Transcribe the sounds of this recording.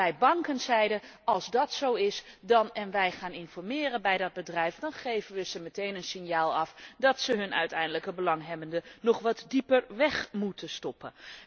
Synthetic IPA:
ɛjbɑŋkənzɛjdəɑlˠzdɑtsowɪsdɑnɛnʋɛjχaːnɪnfɔɹmɪːrənbɛjdɑd̚bədrɛjfdɑnχejvənʋəz̥əmətejnənsɪnjaːlˠɑfdɑtsəɦɵnœ̰ɥtɛjndələkəbəlɑŋɦɛbəndənɔχʋɑtdipəɹʋɛχmutʰəstɔpən

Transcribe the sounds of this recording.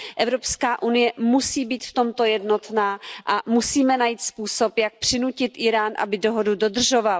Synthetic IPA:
ʔɛvɾo̞pskaːʔunɪjɛmusiːbiːt̪ft̪o̞mt̪o̞jɛdno̞t̪naːʔamusiːmɛnajiːt̪spuːso̞pjak̚pr̝̥ɪnucɪt̪ʔɪɾaːnʔa̰bɪdoɦodudo̞dr̩ʒo̞val

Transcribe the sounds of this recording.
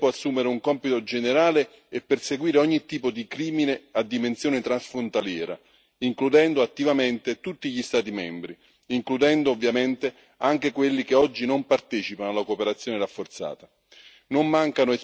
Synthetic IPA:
ɔasːuːmeɾeuŋkɔmpit̪od͡ʒeneɾaːleː | pːerseɡwiːɾeɔɲːit̪ːiːpod̪ikɾiːminead̪ːimensjoːnet̪ɾansfɾont̪aljɛːɾa̰ | iŋklud̪ɛnd̪oat̪ːivament̪et̪ut̪ːiʎist̪aːt̪̬imɛmbɾi | iŋklud̪ɛnd̪oːvːjament̪e | aŋk̟ekwelːikeɔd͡ʒːinompart̪ɛːt͡ʃipanoalːakopeɾat̪sːjoːneɾafːort̪sa̰ːt̪a | nomːaŋkanʊe

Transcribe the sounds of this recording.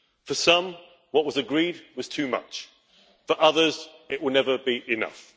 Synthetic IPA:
fəsʌ̃m | wɒʔwʌzəɡɹiːd̚wɒz̥tʰʉːmʌ̰t͡ʃ | fə˞ʔʌðəz | ɪʔwɪlˠnɛvəbiʔɪnʌ̰f

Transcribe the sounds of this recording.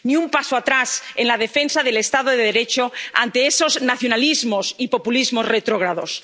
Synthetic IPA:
nĩumpasoat̪ɾasenlað̞e̞fe̞nsaðe̞le̞st̪aðoðeðeɾe̞t͡ʃoa̰nt̪e̞eso̞znaθjonalizmosipo̞pulizmo̞zret̪ɾoɣ̞ɾaðo̞̰s

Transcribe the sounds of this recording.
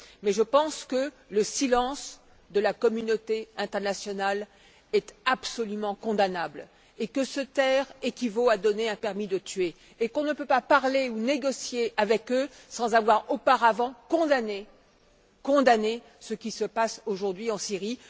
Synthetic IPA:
mɛʒəpɑ̃skə | ləsilɑ̃s | d̪əlakɔmynot̪eɛ̃t̪ɛʁnasjɔnal | ɛt̪apsɔlymɑ̃kɔ̃d̪anabl | ekəsət̪ɛʁekʲivoad̪ɔneɛ̃pɛʁmid̪ət̪ɥeː | kɔ̃nəpøpapaʁleuneɡɔsjeavɛkø | sɑ̃zavwaʁopaʁavɑ̃kɔ̃d̪ane | kɔ̃d̪ane | səkʲisəpasoʒuʁd̪ɥiɑ̃siʁi

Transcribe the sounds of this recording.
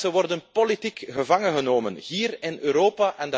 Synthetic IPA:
zəʋɔrdənpolitikɣəvɑŋənɣənoːmə̰nɦiːrɪnøːɾoːpaʔɛndə

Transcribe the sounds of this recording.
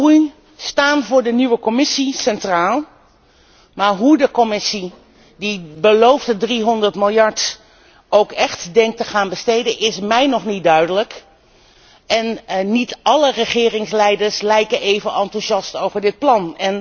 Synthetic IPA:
uj | staːnvʊːɹdəniʋəkɔmɪsisɛntraːlˠ | maːɹɦudəkɔmɪsi | dibəlowftədriɦɔndəɹtmɪlˠjɑɹt | ʔowkɛχtdɛŋk̚təχaːnbəstejdənʔɪsmɛjnɔχnit̚dœɥdələk | ɛnnitʔɑlərəχɪːrɪŋslɛjdəɹslɛjkəejvənɑntuʃɑstowvəɹdɪt̚plɑnɛn

